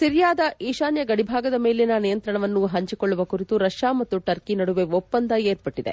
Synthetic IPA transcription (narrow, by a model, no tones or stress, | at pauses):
siɾjaːd̪ɐʔiːʃaːnjɐɡɐɽibʱaːɡɐd̪ɐmeːlenɐnijɐnt̪ɾɐɳɐʋɐnːuɦɐɲt͡ʃikoɭːuʋɐkuɾit̪uɾɐʂjaːmɐt̪ːuʈɐɾkinɐɽuʋeʋɔpːɐnd̪ɐeːɾpɐʈːid̪ḛ